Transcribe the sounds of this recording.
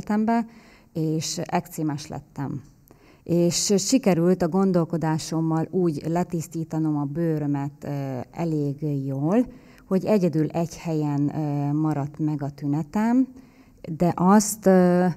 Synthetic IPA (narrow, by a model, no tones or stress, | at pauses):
t̪ɛmbɛ | eːʃɛkt̪seːmɛʃlɛ̰t̪ːɛ̰m | ʔeːʃʃikɛɾylt̪ɒɡo̞nd̪o̞lko̞d̪aːʃo̞mːɒluːɟlɛt̪ist̪iːt̪ɒno̞mɒbøːɾømɛt̪ɛ̰leːɡjoːl | ho̞ɟɛɟɛd̪ylʔɛɟhɛjɛnmɒɾɒt̪mɛɡɒt̪ynɛt̪ɛm | d̪ɛʔɒst̪